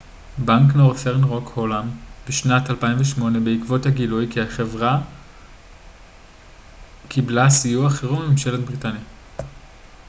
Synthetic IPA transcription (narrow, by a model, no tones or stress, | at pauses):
baŋknoʁfeʁnʁokholambiʃnatalpaiɱveʃmo̞ne̞beikvo̞thaɡilujkiaχevʁa | kʰiblasijuaχeʁubmemʃelet̚bʁitanja